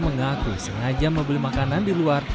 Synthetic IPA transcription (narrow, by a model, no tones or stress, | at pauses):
məŋakṵisəŋad͡ʒaməmbəlimakanandiluar